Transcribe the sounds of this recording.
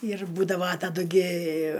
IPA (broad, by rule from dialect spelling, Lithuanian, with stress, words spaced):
ɪr ˈbuːdɐʋɐ tɐˈdʊ ɡʲɪ